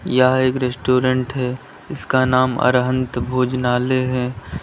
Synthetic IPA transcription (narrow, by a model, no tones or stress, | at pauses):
jaɦeːkɾesʈoːɾẽɳʈɦɛ | ɪskanaːmə̰ɾɦə̃nt̪bʱoːd͡ʒnaːleɦɛ̃ː